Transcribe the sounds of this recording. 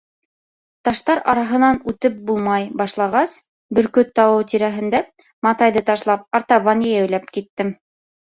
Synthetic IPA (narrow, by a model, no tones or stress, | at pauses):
t̪ɑʃt̪ɑɾɑɾɑɦɤ̆nɑnʉt̪ɘp̚bulˠmɑjbɑʃlˠɑʁɑs | bɵ̆ɾkɵt̪ːɑwɤwt̪iɾæɦɘ̆nd̪æ | mɑt̪ɑjðɤt̪ɑʃlˠɑp̚ɑɾt̪ɑβɑnjɘjæwlæp̚kit̪ːɘm